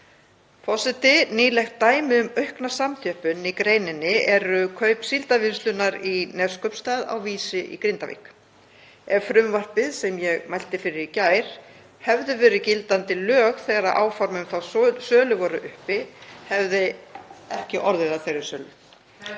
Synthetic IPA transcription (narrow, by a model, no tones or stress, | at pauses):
fɔsɛt̪ɪniːlɛxt̪ːaːjmɪʏmœɥhknasamt̪ʰjœhpʏnikɾejnɪnːɪɛɾʏkʰœːɥpsilt̪avɪnst̪lʏnaɾinɛð̥skœɥpst̪aːða̰wviːsɪʔḭkɾɪnt̪avḭːk | ɛvfɾʏmvar̥pɪðsɛmjɛɣmajl̥t̪ɪfɪɾɪɾicaːjɾ̥ | hɛvðʏvɛːɾɪcɪlt̪ant̪ɪlœːɣθɛːɣaɾaʔa̰ːwfɔɾmʏmθawssœːlʏvɔɾʏʔʏhpɪhɛvðɪɛhcɪʔɔɾðɪðaθejɾɪɾ̥sœːlʏ